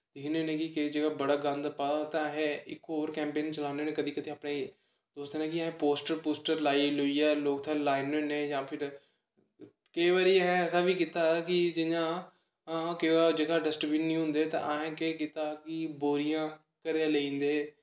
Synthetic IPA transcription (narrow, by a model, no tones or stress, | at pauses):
d̪ɪneːnẽːkɪkeid͡ʒəɡaːbəɽaːɡə̃nd̪paːat̪ãɦẽɪkːoːɾkɛ̃ːmpeːnt͡ʃəlaːneːneːkəd̪iːkəd̪iːaːpneː | d̪oːst̪ːnẽːkiɦẽːpoːsʈəɾpoːsʈəɾlaːiːlʊiːɛːloːkt̪ʰãːlaːɪneːnẽːjãːpʰɪɾ | keiʋaːɾiːəɦɛ̃ɛːsaːʋiːkit̪aːkɪd͡ʒɪɲãː | keaːd͡ʒəɡaːɖəsʈbiːnnĩːɦʊ̃nd̪eːt̪ã̰ːʔaɦɛ̃ːkeːkɪt̪aːkɪboːɾijãː | kəɾeaːleĩːnd̪eː